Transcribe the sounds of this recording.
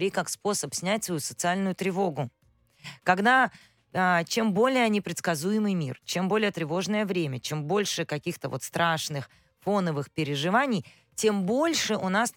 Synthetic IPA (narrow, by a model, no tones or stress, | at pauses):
ɾʲikakspo̞səpsʲnʲætʲsvɐjusət̪sɨalʲnʊjʊt̪ɾʲɪvo̞ɡʊ | kɐɡd̪a | ət͡ɕembo̞lʲɪjənʲɪpɾʲɪt̪skɐzujɪmɨjmʲḭrt͡ɕembo̞lʲɪjət̪ɾʲɪvo̞ʐnəjəvɾʲemʲət͡ɕe̞mbo̞lʲʂɨkɐkʲixt̪əvo̞t̪st̪ɾaʂnɨx | fo̞nəvɨxpʲɪɾʲɪʐɨvanʲɪj | tʲe̞mbo̞lʲʂɨʔʊnas